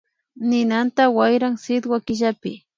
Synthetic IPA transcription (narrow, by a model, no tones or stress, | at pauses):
nɪnant̪awajɾaŋsɪd̪wakɪʒapɪ